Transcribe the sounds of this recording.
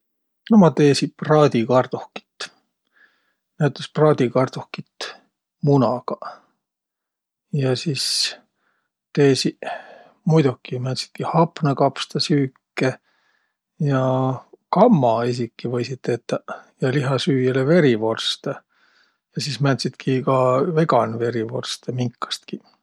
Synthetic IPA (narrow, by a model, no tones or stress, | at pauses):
nomɑt̪eːsiprɑːd̪̥ʲikɑrd̪̥uhki̥t̪ː | næɥt̪ːˑesprɑːd̪̥ʲikɑrd̪uhkit̪ː | munɑɡ̥ɑ | jɑsis | t̪eːsi | mujd̪ukːˑimænt̪si̥t̪̚kihɑpnɑkɑpst̪ɑsyːkːe | jɑkɑmːɑisikːivɤjsit̪ːet̪ːɑjɑliɦɑsyːjeleve̞ɾivo̞rst̪e | jɑsismænt̪sit̪kʰikɑve̞ɡɑnve̞ɾivo̞̰rst̪emiŋkːˑɑ̥st̪ki